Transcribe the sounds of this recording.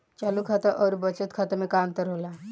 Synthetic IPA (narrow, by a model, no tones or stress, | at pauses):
t͡ɕalukʰat̪aʔəɾubət͡sət̪kʰat̪amekamt̪əɾola